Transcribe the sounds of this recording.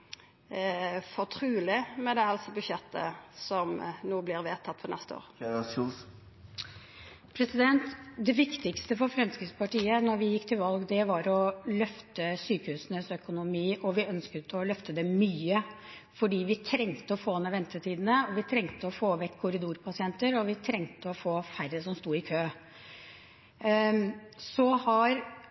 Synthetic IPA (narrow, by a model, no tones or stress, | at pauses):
fɔt̪ʰɾʉːlɪmɛd̪ɛɑlsɔbʉʃjɛt̪ʰːə̰sɔmnuːblɪɾʋeːt̪ʰɑt̪ːfɔnɛst̪əo̰ːʁɾsus | pʰɾɛsɪd̪ɛnt̪d̪ɛʋɪkt̪ɪkst̪əfɔɾfɾɛmskɾɪspɑʈiːənɔɾʋɪjɪkːt̪ʰɪlʋɑlɡd̪ɛʋɑɾɔlœft̪əsyːkəhʉːsnəsœkʊnʊmiːʔɔʋɪœnskət̪ɔlœft̪əd̪ɛmyːə | fɔɖiːʋɪt̪ʰɾɛŋt̪əɔfoːɛnːəʋɛnt̪ət̪ʰiːd̪ən̩əɔʋɪt̪ʰɾɛŋt̪əɔfoːʋɛkʰːʊɾɪd̪uːɾpʰɑsɪɛnt̪əɾɔʋɪt̪ʰɾɛŋt̪əɔfoːfæɾəsɔmst̪uːɪkʰøː | sɔhɑɾ